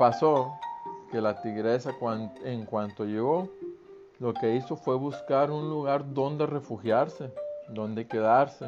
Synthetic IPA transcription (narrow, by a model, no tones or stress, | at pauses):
pasoke̞lat̪iɣɾe̞sakwaneŋkwant̪o̞ʝe̞ɣo̞ | lo̞ke̞iso̞fwe̞βuskaɾunluɣaɾðo̞nd̪e̞re̞fuxjaɾse̞d̪o̞nd̪e̞ke̞ðaɾse